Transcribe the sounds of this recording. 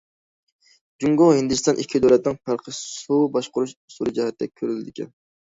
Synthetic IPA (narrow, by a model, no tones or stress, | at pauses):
d͡ʒuŋɡohind̪ɪst̪ɑnʔikʲʰːid̪øwlɛt̪ɪnɨŋpʰæɾqʰəssubɑʃqʊɾuʃsuɾɨd͡ʒɛhɛt̪ːd̪ɛkʲʰːøɾylɪd̪ɪkʲʰɛ̰n